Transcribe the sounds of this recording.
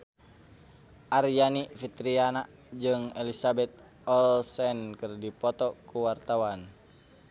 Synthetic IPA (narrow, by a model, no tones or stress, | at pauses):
ʔarjanifit̪ɾiana | d͡ʒɨŋɛlisabɛt̪̚ | ɔlsɛnkɨrdipɔt̪ɔkuwart̪awan